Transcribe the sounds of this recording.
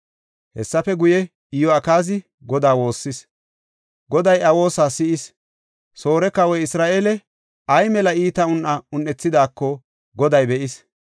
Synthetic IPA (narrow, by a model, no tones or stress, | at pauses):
hɛsːɐfɛɡʊjɛ | ɪjɔɐkaːzɪ | ɡɔd̪aːwo̞ːsːɪs | ɡɔd̪ɐjɐwo̞ːsaːsɪɪs | so̞ːɾɛkɐwɔjɪsɾaːʔeːlɛ | ɐjmɛlɐiːt̪ɐʊnʔɐʊnːɛt͡sːɪd̪aːkːɔ | ɡɔd̪ɐjbɛʔɪs